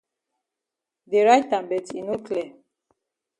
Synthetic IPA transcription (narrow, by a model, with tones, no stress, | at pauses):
de˨ɹajtã˨mbɛ˨ti˨no˦kʰlɛ˨